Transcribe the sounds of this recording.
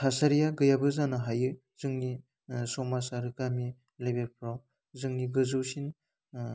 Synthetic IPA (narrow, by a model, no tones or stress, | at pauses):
tʰasaɾijaɡɯjabɯzanaɦajɯ | zɯŋni | sɔmasaɾɯkami | lebepʰɾaw | zɯŋniɡɯzɯwsin